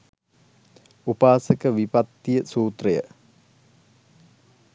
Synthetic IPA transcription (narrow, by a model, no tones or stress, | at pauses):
upaːsəkəʋipat̪ːijəsuːt̪rəjə̰